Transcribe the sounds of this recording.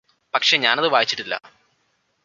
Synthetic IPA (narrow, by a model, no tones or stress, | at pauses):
pɐkʂe̞ɲaːnɐðɨʋaːjit͡ɕːi̥ʈːilːɐ̰